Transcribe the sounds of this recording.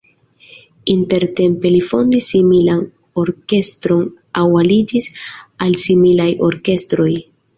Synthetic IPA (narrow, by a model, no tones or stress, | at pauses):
inte̞ɾte̞mpe̞lifo̞ndisːimilan | o̞ɾke̞stɾo̞n | awalid͡ʒisalsimilajo̞ɾke̞stɾo̞j